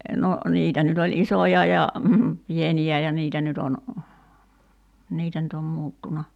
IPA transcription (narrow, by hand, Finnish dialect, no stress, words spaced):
no niːtæ nyt olʲ isojɑ jɑ pieniæ jɑ niːtæ nyt on niːtæ nyt om muːtːunɑ